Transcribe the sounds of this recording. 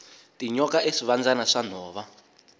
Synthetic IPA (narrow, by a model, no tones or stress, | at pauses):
tiɲɔkaʔeʂiβand͡zanaʂan̤ɔːβa